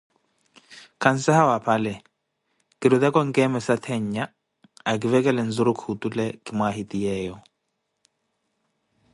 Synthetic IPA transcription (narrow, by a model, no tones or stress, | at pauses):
kʰan̩sahawapʰalɛ | kiɾuðɛkɔŋ̩kɛmɛsat̪ʰɛɲːa | ak̬ivɛkɛlɛn̩zuɾukhutulɛkimwaɦitʼijɛːjɔ